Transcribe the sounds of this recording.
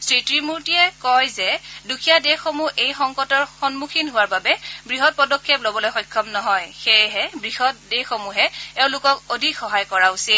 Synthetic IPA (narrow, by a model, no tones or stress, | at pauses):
sɹitɹimuɹtiɛkɔjzɛdukʰijadexomuʔejxɔŋkɔtɔɹxɔnmukʰinɦʊwaɹbabɛbɹiɦɔt̚pɔdɔkʰːeplobɔlojxɔjkʰːɔmnɔɦɔjxejɦɛbɹiɦɔtdexomuɦɛɛʊ̃lʊkɔkodʱikxɔɦajkɔɹausil